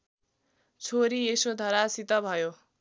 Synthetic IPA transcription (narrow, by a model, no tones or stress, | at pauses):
t͡sʰoɾiesod̪ʱʌɾasit̪ʌbʱʌjo